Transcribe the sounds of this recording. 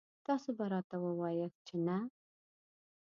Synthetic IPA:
t̪ɑsobaɾɑt̪awəwɑjəx̚t͡ʃena

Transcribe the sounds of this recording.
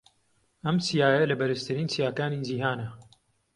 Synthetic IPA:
ɐmsijaːjɐlɐbɐɾɨst̪ʰɨɾiːnsijaːkaːniːd͡ʒihaːnɐ

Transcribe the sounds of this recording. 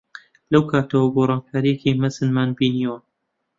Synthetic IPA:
lɐwkʰaːt̪ɐwɐɡoːɾˤɑːnkʰaːɾikʰejmɐzɨnmaːnbiːniwɐ

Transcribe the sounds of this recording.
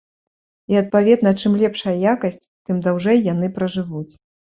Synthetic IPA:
iɐt̪̚pavʲɛd̪nɐt͡ʂɨmlʲɛpʂɐjɐjakɐsʲt͡sʲt̪ɨmd̪awʐɛjːan̪ɨpɾɐʐɨvut͡sʲ

